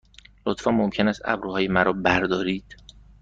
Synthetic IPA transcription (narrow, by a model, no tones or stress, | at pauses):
lot̪fɒːnmomcʰe̞næst̪æ̰bɾuːhɒːjemæɾɒːbæɾd̪ɒːɾiːd̪̥